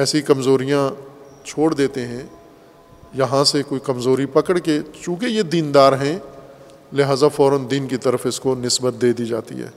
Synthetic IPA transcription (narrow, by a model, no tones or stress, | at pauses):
ɛːsikɐmzoːɾijã | t͡ʃʰoːɽd̪eːt̪eɦɛ̃ | jɐɦãsekoːikɐmzoːɾipɐkəɽket͡ʃũːkejed̪iːnd̪aːɾɦɛ̃ | leɦaːzafɔːɾənd̪iːnkit̪ɐɾəfɪskonɪsbət̪̚d̪eːd̪id͡ʒa̰ːt̪ḭɦɛ̰ː